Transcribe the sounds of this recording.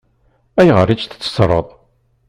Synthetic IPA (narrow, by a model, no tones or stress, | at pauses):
æjʁəɾit͡ʃθt͡sːə̥sɾˤə̰ðˤ